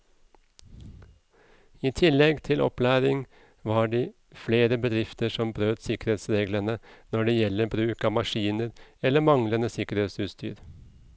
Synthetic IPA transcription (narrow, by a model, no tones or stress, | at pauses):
iːt̪ʰɪlɛɡt̪ʰɪlʔɔ̰plæːɾɪŋ | ʋɑːɖiː | fleːɾəbəd̪ɾɪft̪əʂɔmbɾøːt̪sɪkəɾheːt̪sɾeːɡlənənɔɖɛːjɛlːəbɾʉːkɑːmɑʂiːnəɾɛlːəmɑŋlənəsɪkəɾeːt̪sʉːt̪st̪y̰ːɾ